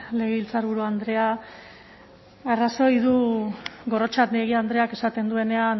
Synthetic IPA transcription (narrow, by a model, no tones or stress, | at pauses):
le̞ɣeβilt͡saɾβ̞uɾuand̪ɾe̞a | araso̞jðu | ɡo̞ro̞t͡ʃat̪neɣ̞iand̪ɾe̞ake̞sat̪e̞nd̪ue̞ne̞an